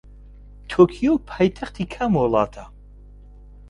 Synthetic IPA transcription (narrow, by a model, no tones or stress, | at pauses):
t̪ʰɔkʰiopʰajt̪ʰaχt̪ʰikʰamɔlˠa̰ːt̪ʰa